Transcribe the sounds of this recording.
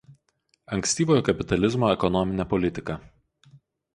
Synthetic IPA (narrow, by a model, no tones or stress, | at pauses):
ɐŋʲkʲsʲt̪ʲiːʋoːjoːkɐpʲɪt̪ɐlʲɪzmoːɛkɔnɔmʲɪnʲɛpɔlʲɪt̪ʲɪkɐˑ